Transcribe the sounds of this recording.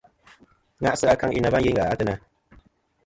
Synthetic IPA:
ŋa˦ʔsɨ˦a˦ka˦ŋʔi˦na˨va˦n˦ji˦ŋɡa˨a˦tɨ˦na˧

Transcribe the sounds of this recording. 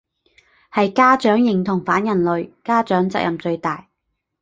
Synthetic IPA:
hɐ˨jkaː˥t͡ʃœː˨˥ŋjɪ˨˩ŋt̪ʰʊ˨˩ŋfaː˨˥njɐ˨˩nlɵ˨ɥkaː˥t͡ʃœː˨˥ŋt͡sɐ̰˨k̚jɐ̰˨mt͡ʃɵ˧ɥt̪aː˨j

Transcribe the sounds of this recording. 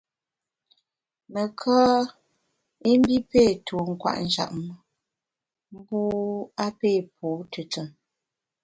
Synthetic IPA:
mə˨kʰɔː˦ | e˦m˦bi˦pe˦˨tʰo˨ŋ̩˨kwa̰˦˨ʔn̩˨d͡ʒa̰˨ʔ̚m˦ | m̩˦bu˦a˦pe˦˨p̚ʰo˨˦tə˨t͡sə˨

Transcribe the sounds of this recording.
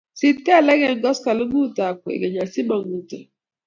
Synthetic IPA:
si˦ta˦˨lɛ˦ɡɛ˦ŋ̩˦ɡɔ˦ska˨lu˦ɡu˦˨ta˨kʷḛ˨ɡe˨ɲa˨si˦bɔ˨ŋu˨ta˨

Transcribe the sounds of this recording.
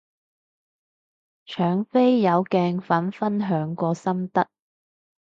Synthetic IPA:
t͡ʃʰœː˨˥ŋfe˥jːɐ˨˧wkɛː˧ŋfɐ˨˥nfɐ˥nɦœː˨˥ŋkɔː˧sɐ˥mt̪ɐ˥t̚

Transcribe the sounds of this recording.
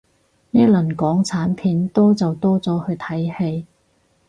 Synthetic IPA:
neː˥lɵ˨˩nkɔː˨˥ŋt͡sʰaː˨˥npʰiː˨˧˥nt̪ɔː˥t͡sɐ˨wt̪ɔː˥t͡sɔː˨˥hɵ˧ɥt̪ʰɐ˨˥jhe˧j

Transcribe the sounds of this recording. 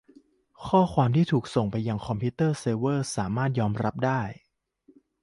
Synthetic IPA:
kʰɔː˥˩kʰwaː˧mt̪ʰiː˥˩t̪ʰuː˨˩k̚so˨˩ŋpa˧jːa˧ŋkʰɔ˧mpʰiː˦˥t̪ːɤː˥˩seː˧wɤː˥˩saː˩˦maː˥˩t̪̚jɔː˧mɾʔa˦˥p̚daː˥˩j

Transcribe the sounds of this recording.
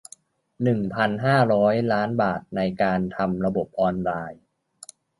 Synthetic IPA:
nɯ˨˩ŋpʰa˧nɦaː˥˩ɾɔː˦˥jlaː˦˥nbaː˨˩t̪̚na˧jkaː˧nt̪ʰa˧mɾa˧bo˨˩p̚ʔɔː˧nɾaː˧j

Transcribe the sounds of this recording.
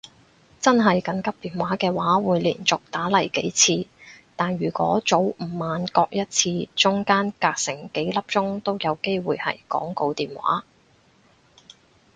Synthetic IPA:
t͡sɐ˥nɦɐ˨jkɐ˨ŋkɐ˥p̚t̪iː˨nwaː˨˥kɛː˧waː˨˥wuː˨˧jliː˨˩nt͡sʊ˨k̚t̪aː˨˥lɐ˨˩jke˨˥jt͡sʰiː˧t̪aː˨njyː˨˩kʷɔ̰ː˨˥t͡so˨˥wm̩˨˩maː˨nkɔː˧k̚jɐ˥t̚t͡sʰiː˧t͡sʊ˥ŋkaː˥nkaː˧k̚sɪ˨˩ŋke˨˥jlɐ˥p̚t͡sʊ˥ŋt̪o˥wjɐ˨˧wke˥jwuː˨˧jhɐ̰˨jkɔ̰ː˨˥ŋko˧wt̪iː˨nwa̰ː˨˥

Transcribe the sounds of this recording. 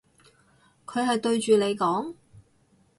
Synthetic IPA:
kʰɵ˨˧ɥɦɐ˨jt̪ɵ˧ɥt͡ʃyː˨le˨˧jkɔː˨˥ŋ

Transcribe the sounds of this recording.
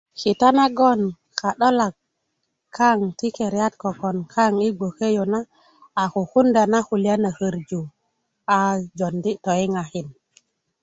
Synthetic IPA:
ki˨ta˦na˦ɡo˦˨n | ka˨ɗo˦la˨kːʰ | a˦˨ŋti˦ke˨ɾja˦t̪̚ko˨ko˨nkʰa˦ŋi˦ɡ͡bo˨ke˦jo˨na˦ | a˨ku˨xu˦nda˨na˦hu˨la˦na˨hə˨ɾd͡ʒu˨ | a˨d͡ʒo˨ndi˦to˨i˦ŋa˨xi˨n

